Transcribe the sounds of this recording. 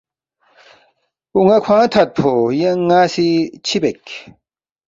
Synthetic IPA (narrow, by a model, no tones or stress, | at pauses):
uŋɐkʰwãːt̪ʰɐt̪̚pʰojeŋːaːsit͡ɕʰibekʲ